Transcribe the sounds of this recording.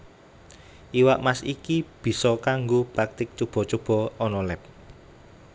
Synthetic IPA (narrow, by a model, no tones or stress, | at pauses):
ʔiwaʔmasikib̥i̤sɔkaŋɡopak̚t̪ɪk̚t͡ʃob̥ɔ̤t͡ʃob̥ɔ̤ɔnɔlɛp̚